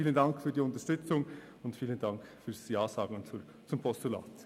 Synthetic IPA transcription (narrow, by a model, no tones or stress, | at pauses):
iːləndɑŋkfyːdiːʊntəɐʃtʏt͡sʊŋ | ʊntfiːləndɑŋkfyːsjɑːsɑːɡəŋt͡su | t͡sʊmpʰɔstula̰ːt